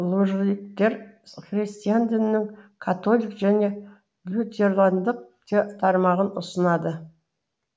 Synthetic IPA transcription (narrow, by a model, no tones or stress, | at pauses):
lˠoʒik̚t̪e̞ɾχrʲisʲt̪ʲijand̪ɪnɪnɪŋkʰat̪olʲijkʒæne̞ | vlʲut̪ʲeɾlˠand̪əq̚t̪et̪ʰɑɾmɑʁənʊsənɑd̪ə